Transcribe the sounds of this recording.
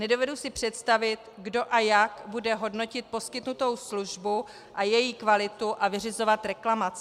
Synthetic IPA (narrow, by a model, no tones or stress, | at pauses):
nɛdo̞vɛdusɪpr̝̥ɛt̪st̪avɪt̪ɡdo̞ʔajakbudɛɦo̞dno̞cɪt̪̚po̞skɪt̪nut̪o̞wsluʒbu | ʔajɛjiːkvalɪt̪uʔavɪr̝ɪzo̞vat̪ɾɛklamat͡sɪ